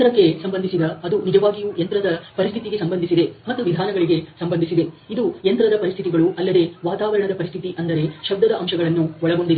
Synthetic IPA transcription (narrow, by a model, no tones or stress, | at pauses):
t̪ɾɐkːe̞sɐmbɐnd̪isid̪ɐːd̪unid͡ʒɐʋaːɡijujɐnt̪ɾɐd̪ɐpɐɾist̪ʰit̪iɡe̞sɐmbɐnd̪ʱisid̪e̞mɐt̪ːuʋid̪ʱaːnɐɡɐɭiɡe̞sɐmbɐnd̪isid̪e̞ | id̪ujɐnt̪ɾɐd̪ɐpɐɾist̪ʰit̪iɡɐɭuʔɐlːɐd̪e̞ʋaːt̪aːʋɐɾɐɳɐd̪ɐpɐɾist̪ʰit̪iʔɐnd̪ɐɾe̞ʃɐb̚d̪ːɐd̪ɐʔɐmʃɐɡɐɭɐnːuɔɭɐɡo̞ɳɖid̪e